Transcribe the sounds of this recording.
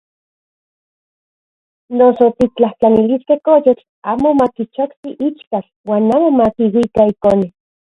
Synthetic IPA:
nosot̪it͡ɬaht͡ɬaniliskehkojot͡ɬ | aːmomakit͡ʃokt̪iʔit͡ʃkat͡ɬ | waːnaːmomakiwikaikone

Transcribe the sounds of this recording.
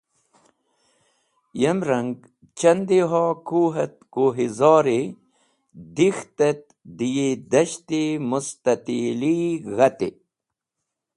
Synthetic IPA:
jɐmɾɐŋɡ | t͡ɕɐnd̪iɦaːkuːɦɐt̪̚koːɦizɑːɾe | d̪ixt̪ɐt̪̚ | d̪ijed̪ɐɕt̪emust̪ɐt̪iliɣɐt̪e

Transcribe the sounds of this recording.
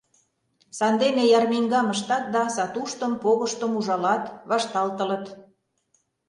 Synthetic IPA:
sɑnd̪enejɑrmiŋɡɑməʃt̪ɑt̪̚d̪ɑsɑt̪uʃt̪ə̆mpoɣəʃt̪ə̆muʒɑlɑt̪βɑʃt̪ɑlt̪ə̆lə̆t̪

